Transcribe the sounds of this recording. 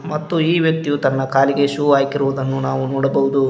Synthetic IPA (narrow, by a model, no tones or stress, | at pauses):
mɐt̪ːuiːʋjɐk̚t̪ijut̪ɐnːɐkaːliɡe̞ʃuaːjkiɾuʋud̪ɐnːunaːʋunɔːɽɐbɐʋud̪u